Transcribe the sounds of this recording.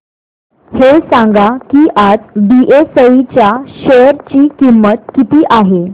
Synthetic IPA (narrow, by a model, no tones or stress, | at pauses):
hesãŋɡakiːʔad͡zɖiʔesəit͡ɕjaɕəɾt͡ɕiːkimːət̪kit̪iːʔaɦe